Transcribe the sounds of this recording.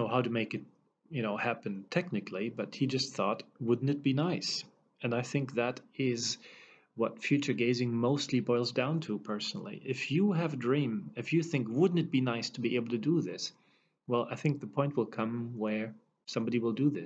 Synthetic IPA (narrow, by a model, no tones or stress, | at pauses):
noʊhaʊɾɨmeɪkɨt̚ | jɨñoʊhæpɨ̃ntʰɛk̚nɨkʰlibʌt̚hid͡ʒʌst̪̚θɔtwʊdⁿn̩tɨt̚b̥inaɪs | ɨ̃naɪθɪ̃ŋk̚ðɨɾɪz | wʌtfjʉt͡ʃə˞ɡeɪzɪ̃ŋmoʊstˡlibɔɪlˠzdãʊ̃ntʰupʰɜ˞sn̩l̩ˠḭʔɪfjɨɨvdɹĩmɨfjɨθɪ̃ŋkwʊdⁿn̩tɨt̚b̥inaɪstʰəbiʔeɪbl̩ˠtʰɨdəðɪs | wɛlˠa̰ɪθɪ̃ŋk̚ðəpʰɔ̃ɪ̃nt̚wəlˠkʰʌ̃mwə˞ | sʌ̃mbɑɾiwəlˠdɨðɪ